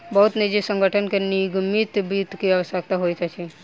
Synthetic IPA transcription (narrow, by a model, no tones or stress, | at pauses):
bəɦut̪nid͡ʒesə̃ŋɡʱəʈʰənkeniɡmit̪bit̪kiɛʋəsək̚t̪aɦojt̪at͡ʃʰi